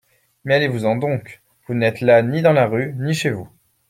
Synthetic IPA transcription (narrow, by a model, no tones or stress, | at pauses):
mɛalevuzɑ̃d̪ɔ̃k | vunɛt̪lanid̪ɑ̃laʁyniʃevu